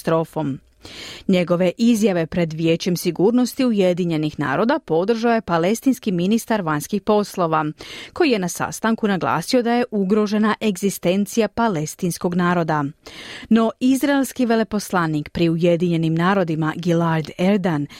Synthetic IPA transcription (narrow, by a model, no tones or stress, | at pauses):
t̪ɾoːfo̞m | ɲe̞ɡo̞ʋe̞ʔizjaʋe̞pɾe̞d̪ʋje̞ːt͡ɕe̞msiɡuːɾno̞st̪iuje̞d̪iɲe̞nixna̰ːɾo̞d̪apo̞d̪r̩ʒaoje̞pale̞st̪inskiminist̪aɾʋaɲskixpo̞slˠo̞ʋako̞jije̞nasa̰st̪aŋkunaɡlˠa̰ːsio̞d̪aje̞ʔuɡɾo̞ʒe̞naʔe̞ɡzist̪e̞nt̪sijapale̞st̪insko̞ɡnaːɾo̞d̪a | no̞izɾaelskiʋe̞le̞po̞slˠanikpɾiuje̞d̪iɲe̞nimnaːɾo̞d̪imaɡilaɾd̪eɾd̪an